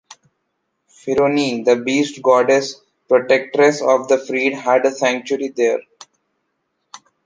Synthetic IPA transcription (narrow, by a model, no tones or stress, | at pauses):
fɪɾoːnid̪əbiːsʈɡɔːɾɖes | pɾoʈek̚ʈəɾesɔːʋd̪əfɾiːɖɦæɖəsæ̃ŋk̚t͡ʃʊəɾid̪eːɾ